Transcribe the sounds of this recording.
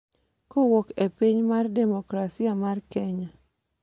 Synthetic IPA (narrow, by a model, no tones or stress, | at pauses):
kowokepiɲmardɛmokɾasiamarkɛɲa